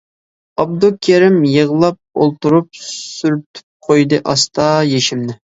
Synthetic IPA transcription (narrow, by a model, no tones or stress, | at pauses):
ɑb̚d̪ukʲʰeɾɪmjəʁlˠɑp̚o̰lˠt̪uɾup̚syɾt̪ʰy̥p̚qʰojd̪ɨʔɑst̪ɑjeʃimnɪ